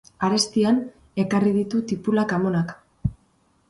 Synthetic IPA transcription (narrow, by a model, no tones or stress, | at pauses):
aɾe̞st̪ian | e̞kariðit̪ut̪ipulakamo̞nak